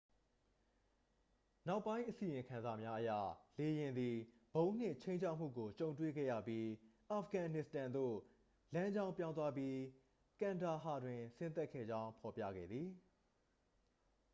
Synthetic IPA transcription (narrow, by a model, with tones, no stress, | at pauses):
na˦ʊpːã˦ɪ̃ʔəsi˨jɪ̃˨ŋkʰã˨nza˨mja˦ʔəjä̰˦˨le˨jɪ̃˨nd̪i˨ | b̥õ˦ʊ̃n̥ɪ̰̃˦˨t͡ɕʰẽ˦ɪ̃ɲt͡ɕʰa˦ʔm̥ṵ˦˨ɡo˨t͡ɕõ˨ʊ̃ntwḛ˦˨ɡɛ̰˦˨jä̰˦˨pji˦ʔa˨fʰɡã˨nɪ˨stã˨nd̪o̰˦˨ | lã˦ɲd͡ʑã˦ʊ̃mpjã˦ʊ̃nt̪wa˦pji˦ | kã˨nda˨ɦa˨dwɪ̃˨sɪ̃˦nt̪ɛ˦kʰːɛ̰˦˨d͡ʑã˦ʊ̃pʰɔ˨pja̰˦˨ɡɛ̰˦˨d̪ði˨